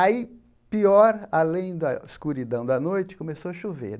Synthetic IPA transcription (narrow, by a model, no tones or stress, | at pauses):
ai | piɔɾalẽj̃d̪ɐɪskuɾid̪ɐ̃w̃d̪ɐnojt͡ʃɪ̥kõmesoɐʃovḛɾ